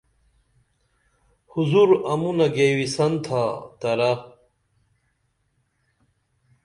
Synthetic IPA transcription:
huzuɾɐmunɐɡeːwisɐnt̪ʰat̪ɐɾɐ

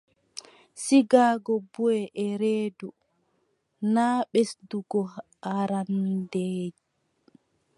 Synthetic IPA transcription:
siɡaːɡɔbuɛʔɛɾeːdu | naːɓesduɡɔ | aɾandeːd͡ʒi

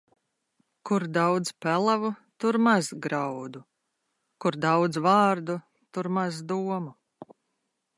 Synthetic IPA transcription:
kuɾd̪awd̪zpælˠavut̪uɾmazɡɾawd̪u | kuɾd̪awd̪zvaːɾd̪u | t̪uɾmazd̪uɔmu

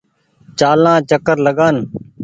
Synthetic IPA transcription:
t͡ʃaːlãːt͡ʃəkəɾləɠaːn

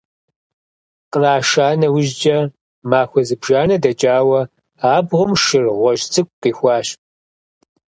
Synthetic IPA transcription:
qʼəraːʃaːnɐwʊʒd͡ʒɐ | maːxʷɔzɨbʒaːnɐdɐt͡ʃʼaːwɐ | aːbʁʷʊmʃɨrʁʷɔʒt͡sʰʼɨkʷʼqiːxʷɑːɕ

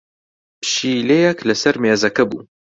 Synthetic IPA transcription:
ʃiːlejɐklɐsɐɾmeːzɐkɐbṵː

